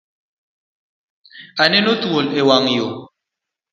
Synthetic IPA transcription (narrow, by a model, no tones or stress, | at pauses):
anɛnotuolewaŋjo